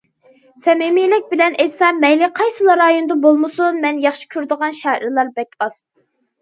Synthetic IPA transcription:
sɛmemilɪk̚ʲbɪlɛnesɑmɛjlɪqʰɑjsɨlˠɑɾɑjond̪ɑbolˠmɨsunmɛnjɑχʃi̥kʲʰyɾd̪əʁɑnʃæɾlˠɑɾbɛkʲɑs

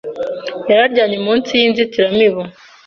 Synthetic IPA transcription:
jaɾaɾɟaːɲemuːnsijiːnzitiɾamiβo

